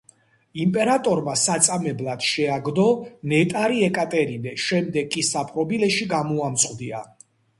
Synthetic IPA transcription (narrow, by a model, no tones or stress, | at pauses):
impʼɛɾat̪ʼɔɾmasat̪sʼamɛblˠad̪̥ʃɛaɡd̪ɔnɛt̪ʼaɾiɛkʼat̪ʼɛɾinɛʃɛmd̪ɛɡkʼːisapʼɾɔbilɛʃiɡamɔamt̪sʼqʼd̪ia